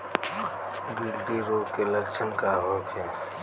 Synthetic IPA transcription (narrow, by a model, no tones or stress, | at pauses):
ɡɪld̪iɾoːkeləkt͡ʃʰənkaːɦoːkʰe